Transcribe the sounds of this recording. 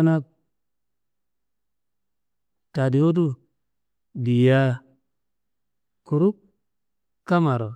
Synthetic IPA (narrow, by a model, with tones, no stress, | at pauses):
na˦ | ta˨di˨o˦du˦ | di˨ja˦ | ku˨ɾu˦k̚ | ka˦ma˨ɾo˨